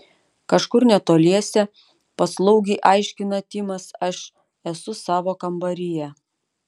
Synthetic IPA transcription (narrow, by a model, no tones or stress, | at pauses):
kɐʃkʊɾnʲɛt̪oːlʲiɛsʲɛ | pɐslˠɐʊɡʲiɪʔɑɪʃʲkʲɪnɐt̪ʲɪmɐsɐʃ | ɛsʊsɑːʋoːkɐmbɐɾʲɪjɛ